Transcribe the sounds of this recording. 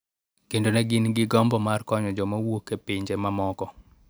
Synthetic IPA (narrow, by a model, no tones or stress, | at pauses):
kendonɛɡɪnɡɪɡɔmbɔmarkɔɲɔd͡ʒɔmawokːepiɲd͡ʒemamɔkɔ